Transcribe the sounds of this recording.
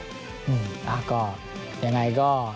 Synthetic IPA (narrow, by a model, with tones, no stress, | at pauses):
ʔɯ˨˧˩ʔa˨˩kɔː˥˩ | ja˧ŋːa˧jkɔː˥˩